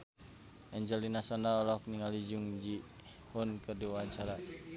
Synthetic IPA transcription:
ɛɲd͡ʒɛlinasɔndaɔlɔk̚niŋalid͡ʒuŋd͡ʒi | hunkɨrdiwawaɲt͡ʃaɾa

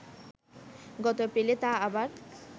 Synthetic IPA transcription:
ɡɔt̪opelet̪aabaɾ

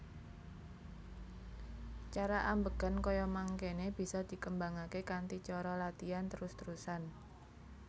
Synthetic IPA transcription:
t͡ʃaɾaʔambəɡ̥a̤nkɔjɔmaŋkeneb̥i̤sɔd̪̥i̤kəmbaŋakekant̪it͡ʃɔɾɔlat̪iant̪əɾʊst̪əɾusan

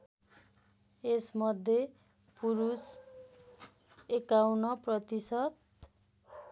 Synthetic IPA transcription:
esmʌd̪ʱːje | puɾus | ekawnʌprʌt̪isʌt̪

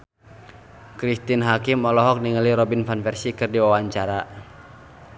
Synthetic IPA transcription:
kɾist̪inɦakimɔlɔɦɔk̚niŋəliɾɔbinfanfɛrsikɨrdiwawaɲt͡ʃaɾa

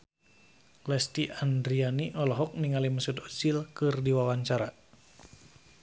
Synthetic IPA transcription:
lɛst̪iʔand̪ɾianiʔɔlɔɦɔk̚niŋaliməsud̪ɔt͡ʃilkɨrdiwawaɲt͡ʃaɾa

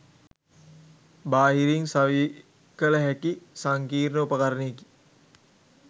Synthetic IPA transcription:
baːɦiɾiŋsaʋi | kələɦækisaŋkiːrnəupəkaɾəneːki̥

